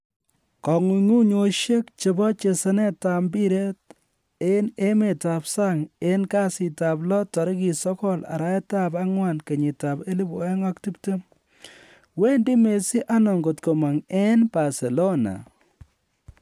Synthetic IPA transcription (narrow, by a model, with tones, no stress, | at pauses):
kɔ˨ŋu˨ŋu˦ɲo˦ʃje˦kt͡ʃe˨bɔ˦t͡ʃe˨se˦ne˦ta˨mbi˦ɾe˦t | e˦ne˦me˨ta˨psa˦ŋe˦nka˦si˨ta˨plɔ˦tɔ˨ɾki˨sɔ˦kɔ˦la̰˨ɾa˦e˦ta˦ba˦ŋwa˨nke˨ɲi˨ta˨pe˦li˦bo˨e˦ŋɔ˦k̚ti˦pte˦m | we˦ndi˦me˨si˦ʔa˦nɔ˨ŋɡo˨tko˨ma˨ŋe˦nba˨se˨lo˦na̰˨